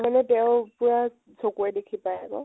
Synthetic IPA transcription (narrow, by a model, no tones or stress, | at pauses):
manɛtɛʊpʊɹa | sokuɹɛdekʰipajakɔ̰